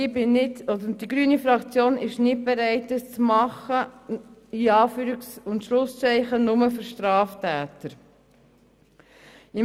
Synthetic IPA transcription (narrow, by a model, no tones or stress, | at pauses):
ɪbɪnɪtɔd̪əɾd̥iɡɾyːnifɾɑkt͡sjoːnɪʃnɪt̚beɾɛɪtəst͡smɑχə | iɑːfyːɾɪksʊntʃlʊst͡sɛɪχənʊməføɾʃtɾɑːftæːt̪əɾ | ɪm